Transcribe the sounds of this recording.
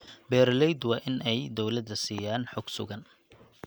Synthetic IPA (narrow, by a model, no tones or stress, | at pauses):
bɛːɾlɛjd̪wɑːʔɪnʔɛjd̪ɔwlɐd̪ɐsiːjaːnħʊɡsʊ̰ɣɐn